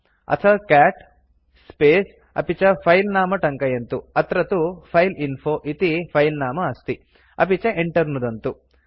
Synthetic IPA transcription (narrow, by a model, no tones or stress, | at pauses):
ɐ̰t̪ʰɐkaːʈ | speːs | ɐ̰pit͡ʃɐpʰɐjlnaːmɐʈɐŋkɐjɐnt̪uɐt̪ɾɐt̪upʰɐjlinpʰoːʔit̪ipʰɐjlnaːmɐːst̪i | ɐ̰pit͡ʃɐʔeɳʈɐɾnud̪ɐnt̪u